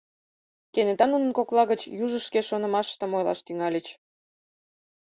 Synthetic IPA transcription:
kenet̪ɑnunə̆nkoklˠɑɣət͡ɕjuʒəʃkeʃonə̆mɑʃt̪ə̆mojlɑ̰ʃt̪yŋɑlʲət͡ɕ

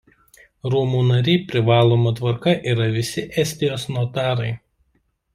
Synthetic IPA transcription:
ɾuːmuːnɐɾʲɛɪpʲɾʲɪʋɑːlˠoːmɐt̪ʋɐɾkɐʔiːɾɐʋʲɪsʲɪʔɛsʲt̪ʲɪjoːsnoːt̪ɑːɾɐɪ

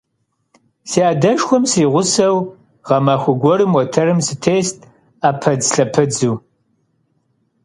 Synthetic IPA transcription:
siaːdɐʃxʷɔmsriːʁʷʊsɐw | ʁɐmaːxʷʊɡʷɔɾɨmwɔtʰɐɾɨmsɨtʰeːstʰʼ | aːpʰɐd͡zɬɐpʰɐd͡zuː

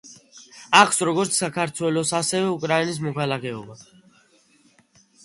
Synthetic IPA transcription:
akʰsɾɔɡɔɾt̪sʰsːakʰaɾt̪ʰwɛlɔsasɛvɛukʼɾainis̬mɔkʰalakʰɛɔba

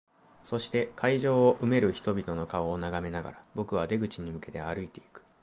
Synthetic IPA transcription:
so̞ɕi̥t̪e̞kʰaiʑo̞ːoʔɯ̟me̞ɾɯ̟çi̥t̪o̞bʲit̪o̞no̞kaoːnaɡame̞naɡa̰ɾabo̞kɯ̟β̞ad̪e̞ɡɯ̟t͡ɕiɲ̟imɯ̟ke̞t̪e̞aɾɯ̟it̪e̞ikɯ̟̥

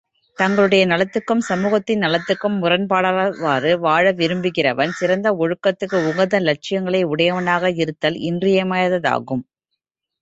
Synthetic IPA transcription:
t̪ɐŋɡɐɭɯɽɐjɐnɐlɐt̪ːɯkːɯmsɐmuːɣɐt̪ːɪnːɐlɐt̪ːɯkːɯmːʊrɐnpaːɽɐʋaːrɯʋaːɻɐʋɪɾɯmbɯɣɪrɐʋɐnsɪɾɐnd̪ɐɔɻɯkːɐt̪ːɯkːɯʊŋɡɐnd̪ɐlɐʈ̚t͡ʃɪjɐŋɡɐɭɐɪʊɽɐjɐʋɐnaːɣɐɪɾɯt̪ːɐlɪ̰ndrɪjɐmɐjɐðɐða̰ːɣɯm

